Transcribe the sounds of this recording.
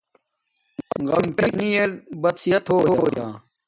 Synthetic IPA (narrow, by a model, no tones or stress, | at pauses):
ɣɐmʈinielbɐt̪sijɐt̪ɦoːoːjaː